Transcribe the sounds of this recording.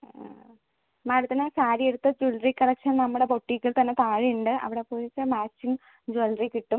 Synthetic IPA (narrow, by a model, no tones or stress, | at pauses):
maːɽut̪ːinɨsaːɾieɽut̪ːɐd͡ʑulrikːɐlɐkʂɐnnɐmːuɽe̞po̞ʈːikʲːiɭt̪ɐnːe̞t̪aːɻijuɳɖɨɐ̰ʋiɽe̞poːɾit͡ɕːɨmaːt͡ɕːiŋ | d͡ʑuɐlrikːiʈːum